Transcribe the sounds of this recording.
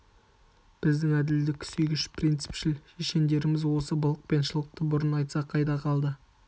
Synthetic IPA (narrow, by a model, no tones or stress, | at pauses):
b̥ɪzd̪ɪŋæd̪ɪld̪ɪkʲʰɪ̥sejɡʲɪʃpʰrijnt̪sɪ̥pʃɪlʃeʃe̞nd̪e̞ɾɪmɪzwo̞səbəlˠəq̚pe̞nʃəlˠəq̚t̪əbʊɾənɑjt̪sɑqʰɑjd̪ɑqʰɑlˠd̪ə